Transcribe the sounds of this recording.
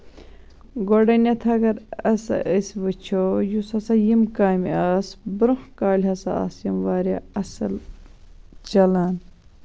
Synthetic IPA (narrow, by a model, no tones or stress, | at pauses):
ɡoɖɐnɐt̪ʰɐɡɐɾɐsɐ̰ʔəsʋət͡ʃʰojusɐsɐjimkaːmiaːsbɾuhkaːlʲɦɐsɐ̰a̰ːsjimʋaːɾʲɐ̰ɐsɐl | t͡ʃɐlaːn